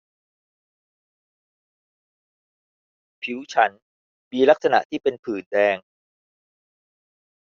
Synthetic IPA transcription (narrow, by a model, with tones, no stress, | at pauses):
pʰi˩˦wt͡ɕʰa˦˥n | miː˧la˦˥k̚sa˧na̰˨˩ʔt̪ʰiː˥˩pe˧npʰɯː˨˩ndɛː˧ŋ